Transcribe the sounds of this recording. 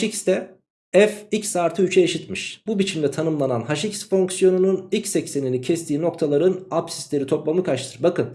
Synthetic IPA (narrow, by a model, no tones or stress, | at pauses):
ʃicst̪ʰɛ | ɛficsaːɾt̪ʰɯyt͡ʃʰɛeʃit̪miʃbubit͡ʃʰimd̪ɛt̪ʰanɯmlˠananɦaʃicsfo̞ŋksjo̞nununicsɛcse̞ninicʰɛst̪ʰiːno̞kt̪ʰalˠaɾɯnapsi̥slʲe̞ɾit̪ʰo̞plˠamɯkʰaʃt̪ʰɯɾbakɯn